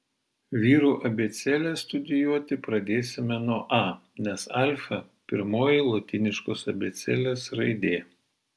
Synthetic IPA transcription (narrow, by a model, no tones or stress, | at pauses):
ʋʲiːɾuːʔɐbʲeːt̪sʲɛlʲɛst̪ʊd̪ʲɪjuɔt̪ʲɪpɾɐd̪ʲeːsʲɪmʲɛnuɔʔɑːnʲɛsɑˑlʲfɐ | pʲɪɾmoːjɪlˠoːt̪ʲɪnʲɪʃkoːsɐbʲet̪sʲɛlʲeːsɾɐɪd̪ʲeː